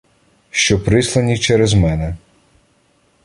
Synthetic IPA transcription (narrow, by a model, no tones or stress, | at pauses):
ʃt͡ʃɔpɾɪslˠɐnʲit͡ʃɛɾɛzmɛnɛ